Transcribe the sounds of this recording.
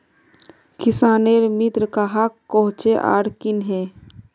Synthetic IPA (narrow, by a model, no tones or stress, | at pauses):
kɪsaːneɾmɪt̪ɾkaɦakːɔɦʊ̃t͡ʃeʔa̰ːɽkɪnɦɛː